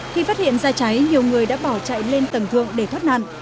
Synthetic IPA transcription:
xi˧faː˦˥t̚hḭ˧˨ənzaː˧t͡ɕa˨˦jɲi˨˩əwŋɨ˨˩əjɗa̰ː˧˥ɓa˧˩wt͡ɕa̰˧˨jle˧nt̪ə˨˩nt̪ʰɨ̰˧˨əŋɗe˧˩t̪wə˦˥t̚na̰˧˨nʔ

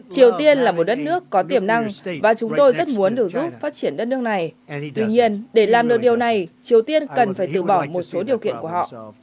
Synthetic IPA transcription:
t͡ɕi˨˩əwt̪i˧ənlaː˨˩mo˨˩t̚ɗə˦˥t̚nɨ˦˥əkːɔ˨˦t̪i˨˩əmna˧ŋvaː˨˩t͡ɕʊ˨˦ŋ͡mt̪o˧jzə˦˥t̚mu˨˦ənɗɨ˨˩ək̚zu˦˥p̚faː˦˥t̚t͡ɕi˧˩ənɗə˦˥t̚nɨ˦˥ək̚na˨˩jt̪wi˧ɲi˧ənɗe˧˩laː˨˩mɗɨ˨˩ək̚ɗi˨˩əwna˨˩jt͡ɕi˨˩əwt̪i˧ənkə˨˩nfaː˧˩jt̪ɨ̰˧˨ɓɔ˧˩wmo˨˩t̚so˨˦ɗi˨˩əwkḭ˧˨ənku˧˩əhɔ̰˧˨

